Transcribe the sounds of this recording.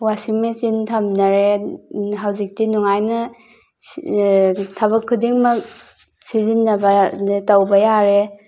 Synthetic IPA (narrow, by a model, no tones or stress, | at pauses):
wasiŋmet͡ʃintʰamnɐɾe | ɦawzik̚tinuŋajnɐ | tʰɐbɐkʰːudiŋmɐk̚ | sizinːɐbɐtawbɐjaɾe